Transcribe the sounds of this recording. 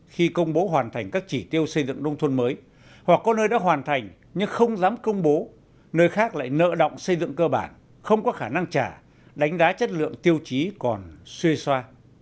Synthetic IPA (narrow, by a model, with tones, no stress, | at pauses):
xi˧kə˧wŋ͡mɓo˨˦ɦwaː˨˩nt̪ʰa˨˩jŋ̟kaː˦˥k̚t͡ɕi˧˩t̪i˧əwsə˧jzɨ̰˧˨ŋɗə˧wŋ͡mt̪ʰwə˧nməː˨˦j | hwa˨˩kːɔ˨˦nəː˧jɗa̰ː˧˥ɦwaː˨˩nt̪ʰa˨˩jŋ̟ | ɲɨ˧ŋxə˧wŋ͡mzaː˨˦mkə˧wŋ͡mɓo˨˦ | nəː˧jxaː˦˥k̚la̰ː˧˨jnə̰ː˧˨ɗə̰˧˨wŋ͡msə˧jzɨ̰˧˨ŋkəː˧ɓaː˧˩n | xə˧wŋ͡mkɔ˨˦xaː˧˩na˧ŋt͡ɕaː˧˩ | ɗa˨˦jŋ̟zaː˨˦t͡ɕə˦˥t̚lɨ̰˧˨əŋt̪i˧əwt͡ɕi˨˦kɔ˨˩nswi˧ə˧swaː˧